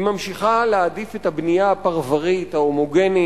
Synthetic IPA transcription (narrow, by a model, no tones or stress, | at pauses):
imamʃiχalead̪ifet̪habnijaːpaʁvaʁit̪haomoɡeni